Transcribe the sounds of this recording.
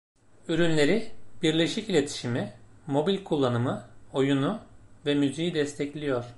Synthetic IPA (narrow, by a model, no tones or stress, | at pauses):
yɾynlʲe̞ɾib̥iɾlʲe̞ʃicilʲe̞t̪ʰi̥ʃimimo̞bilʲkʰulˠːanɯmɯo̞junuvɛmyzijid̪ɛst̪ʰɛclʲijo̞ɾ̥